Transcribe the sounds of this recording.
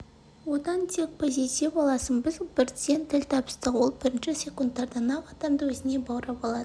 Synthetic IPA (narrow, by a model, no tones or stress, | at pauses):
wo̞d̪ɑnt̪ʰe̞k̚pʰo̞zijt̪ifɑlˠɑsənbɪzbɪɾsent̪ʰɪlt̪ʰɑpə̥st̪əqwo̞lˠbɪɾɪnʃɪsʲe̞kunt̪ːɑɾd̪ɑnɑqɑd̪ɑmd̪əwɵzɪne̞bɑwɾɑpɑlˠɑd̪ə